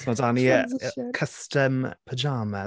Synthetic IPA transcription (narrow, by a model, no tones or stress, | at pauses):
snɔdaniəkʰəstəmpʰəd͡ʒaːmə